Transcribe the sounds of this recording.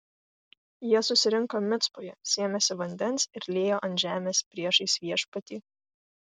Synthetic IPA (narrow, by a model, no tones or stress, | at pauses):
jiɛsʊsʲɪɾʲɪŋˑkomʲɪt̪spojɛsʲeːɛmʲɛsʲɪʋɐnʲd̪ʲɛnˑsɪɾlʲeːjoːʔɐnʲʒʲæːmʲeːspʲɾʲiɛʃɐɪsʲʋʲiɛʃpɐt̪ʲiː